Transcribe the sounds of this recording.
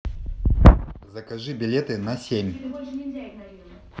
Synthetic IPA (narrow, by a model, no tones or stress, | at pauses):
zɐkɐʐɨbʲɪlʲet̪ɨnɐsʲemʲ